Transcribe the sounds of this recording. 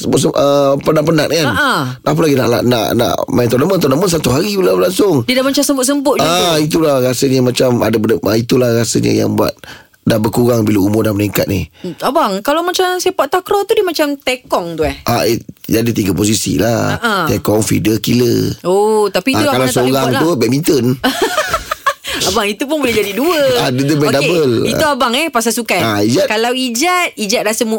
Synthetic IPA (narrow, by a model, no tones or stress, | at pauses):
səmbʊtsəəpənaʔpənaʔkan | ap̬əlaɡina̰ʔla̰ʔna̰ʔnã̰ʔmajnt̪ɔnamənt̪ɔnamənsat̪uɦaɾibəlaəlaŋsʊŋdidamat͡ʃamsəmbʊt̪̚s̬əmbʊt̪̚ait̪̬ulaɾasəɲəmat͡ʃama̰dəbəndəəit̪ulahɾasəɲə̰ja̰ŋbua̰t̪̚ | dahbəkuɾaŋbiləumʊrdaməniŋka̰t̪̚nihabaŋkalamat͡ʃamsipaʔt̪akɾɔt̪udimat͡ʃamt̪ekɔŋt̪uɛhʔaed͡ʒadit̪iɡapos̬isḭlaaʔaekɔŋfḭdəkiləot̪apiaukalasəoɾaŋt̪ubɛʔmint̪ən | abaŋit̪up̬ʊnbolɪhd͡ʒadiduəadədəmɛdaebəlḭuabaŋɛhpasasukajaid͡ʒakalawid͡ʒat̪̚id͡ʒat̪dasəmu